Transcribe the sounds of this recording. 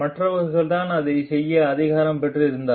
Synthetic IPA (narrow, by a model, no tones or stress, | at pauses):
mɐʈrɐʋɐɾɯɣɐɭt̪aːnɐðɐɪsɛjːɐːðɪɣaːɾɐmpɛʈrɯɪɾɯnd̪aː